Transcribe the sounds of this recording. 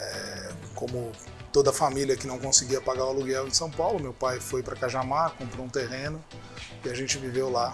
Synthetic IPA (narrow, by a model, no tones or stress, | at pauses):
ɛkõmʊ | t̪od̪ɐfamiliɐkɪnɐ̃w̃kõsɪɡiɐpaɡaɾwaluɡɛwd͡ʒɪsɐ̃w̃pawlʊmewpajfojpɾɐkaʒamakõmpɾoũt̪eɦẽnʊ | ɪaʒẽt͡ʃɪvivewla